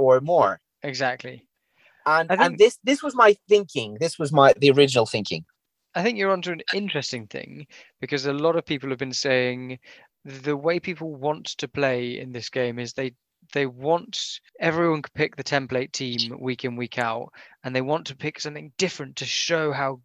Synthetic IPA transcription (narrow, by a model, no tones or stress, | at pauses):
ə˞mɔɹ | ɪɡzæk̚tʰˡli | ə̃naɪθɪ̃ŋnŋðɪsðɪswʌzmaɪθɪ̃ŋkʰɪ̃ŋðɪswʌzmaɪðiə˞ɪd͡ʒn̩l̩ˠθɪ̃ŋkʰɪ̰̃ŋ | aɪθɪ̃ŋkjə˞ɑ̃ntʉɨ̃nɪ̃nt͡ʃɹ̥ɛstɪ̃ŋθɪ̰̃ŋ | b̥ɨkʰʌzəlɔɾʌv̥pʰipl̩ˠəvbɨ̃nseɪɪ̃ŋ | ðəweɪpʰipl̩ˠwɒ̃ntʰɨpʰl̥eɪɪ̰̃nðɪsɡ̥ẽɪ̃mɪzðeɪ | ðeɪwɑ̃ntɛvɹiwʌ̃nkʰəd̚pʰɪk̚ðɨtʰɛ̃mpleɪtʰĩmwikʰɨ̃nwikʰaʊtə̃nðeɪwɑ̃ntʰəpʰɪksʌ̃mθɪ̃ŋd̥ɪfɹɨ̃ntʰɨʃoʊɦaʊ